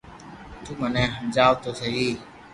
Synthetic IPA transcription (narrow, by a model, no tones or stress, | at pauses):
t̪ũːmənɛ̃ːɦəmd͡ʒaːʋt̪oːsəɦiː